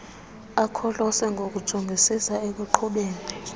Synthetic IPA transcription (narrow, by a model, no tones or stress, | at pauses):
akʰɔlɔsɛŋɡʱok̬ud̥ʒ̥ʱuŋʱisisaek̬uǃʰuɓeːni